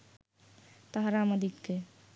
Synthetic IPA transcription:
t̪əɦɾaməd̪ʱikke

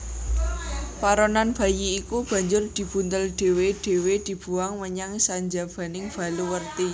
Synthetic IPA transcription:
paɾɔnanb̥a̤jiːkub̥a̤ɲd͡ʒʊrd̪̥i̤b̥ṳnt̪əlɖ̪̥e̤weɖ̥e̤wed̪̥i̤b̥ṳaŋməɲaŋsaɲd͡ʒab̥a̤nɪŋb̥a̤luwərt̪i

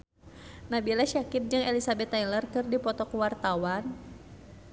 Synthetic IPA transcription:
nabilaʃakɪp̪̚d͡ʒɨŋɛlisabɛt̪ːailərkɨrdipɔt̪ɔkuwart̪awan

